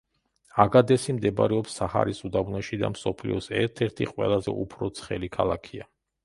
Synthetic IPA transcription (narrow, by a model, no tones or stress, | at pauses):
aɡad̪ɛsimd̪ɛb̰ɾɛɔpsːaha̰ɾisud̪avnɛʃid̪a̰msɔpʰlḭɔsɛɾt̪ʰɛɾt̪ʰiqʼwɛ̰lˠazɛ̰ṵpʰɾɔt̪sʰχɛlikʰalˠakʰia